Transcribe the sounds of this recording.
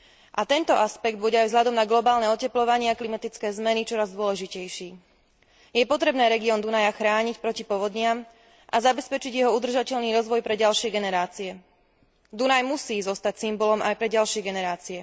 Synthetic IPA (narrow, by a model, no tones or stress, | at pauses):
ʔat̪ɛnt̪ɔʔaspɛɡd̪buɟɛajvzɦʎad̪ɔmnaɡlɔbaːlnɛɔcɛplɔʋaɲɪaklimat̪it͡skɛːzmɛnit͡ʃɔɾazd̪ʊɔlɛʒicɛjʃiː | jɛpɔt̪ɾɛbnɛːɾɛɡiɔːnd̪unajaxɾaːɲicpɾɔcipɔʋɔd̪ɲɪam | ʔazabɛspɛt͡ʃiɟjɛɦɔud̪r̩ʒacɛʎniːɾɔzʋɔjpɾɛɟalʃɪɛɡɛnɛɾaːt͡siɛ | d̪unajmusiːzɔst̪acsimbɔlɔmʔajpɾɛɟalʃɪɛɡɛnɛɾaːt͡siɛ